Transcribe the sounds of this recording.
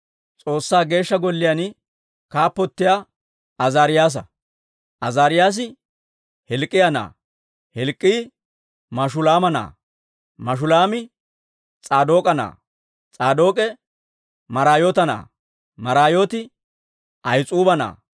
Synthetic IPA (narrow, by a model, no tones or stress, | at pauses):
t͡sʼo̞ːsːaːɡe̞ːʃːɐɡɔlːɪjanɪ | kaːpːɔt̪ːɪja | ɐzaːɾɪjaːs̬ɐ | ʔɐzaːɾɪjaːs̬ɪ | hɛlkʼːɪjɐna̰ː | hɛlkʼːiː | mɐʃʊlaːmɐna̰ː | mɐʃʊlaːmɪ | t͡sʼaːd̪o̞ːkʼɐna̰ː | t͡sʼaːd̪o̞ːkʼɛ | mɐɾaːjoːt̪ɐna̰ː | mɐɾaːjo̞ːt̪ɪ | ʔɐjt͡sʼuːbɐna̰ː